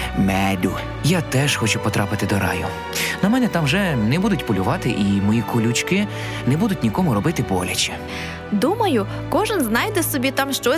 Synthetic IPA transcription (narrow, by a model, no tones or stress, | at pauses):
mɛd̪ʲu | jat̪ɛʃxɔt͡ʃupɔt̪ɾʔɑpɪt̪ɪd̪ɔɾɑ̰jʊ | nɐmɛnɛt̪ɑmʒɛnɛbud̪ʊtʲpɔlʲʊʋɑt̪ɪʔimɔjikʊlʲʊt͡ʃkɪ | nɛbud̪ʊtʲnʲikɔmʊɾɔbɪt̪ɪpɔlʲɐt͡ʃʲi̥ | d̪umɐjʊ | kɔʒɪnznɑjd̪ɛsɔbʲit̪ɑmʃt͡ʃɔ